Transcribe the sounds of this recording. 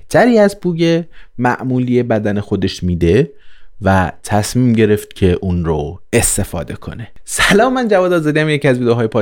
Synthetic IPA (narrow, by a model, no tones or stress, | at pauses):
t̪ʰæɾiːæzbuːjemæ̰ʔmuːliːjebæd̪ænexo̞d̪e̞ʃmiːd̪e̞ | væ̰t̪ʰæsmiːmɟe̞ɾe̞ft̪̚cʰe̞ʔuːnɾoe̞st̪e̞fɒ̰ːd̪e̞kʰo̞̰ne̞sælɒːmːænd͡ʒævɒːd̪ɒːzɒd̪iæmjeciæzviːd̪eɦɒːjepʰɒː